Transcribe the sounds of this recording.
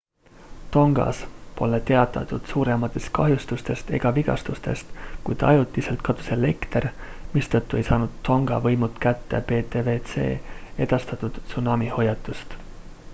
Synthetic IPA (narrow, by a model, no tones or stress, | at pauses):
t̪o̞ŋɡ̥ɑ̰spo̞̰let̪e̞ɑt̪ːˑɑ̰t̪ud̪̥suːɾe̞mɑt̪ːˑe̞st̪̚kɑɦjust̪ust̪e̞st̪e̞̰ɡ̥ɑviɡ̥ɑ̰st̪ust̪e̞̰st̪kujd̪̥ɑ̰jut̪ːˑise̞lt̪̚kɑd̪̥u̥sele̞kt̪ermist̪ɤt̪ːˑue̞jsɑːnud̪o̞ŋɡ̥ɑ̰vɤjmut̪ˑkæt̪ːe̞pe̞ːt̪eve̞t̪se̞̰ːe̞d̪̥ɑst̪ɑt̪ud̪̥sunɑːmiho̞jɑt̪ːˑust̪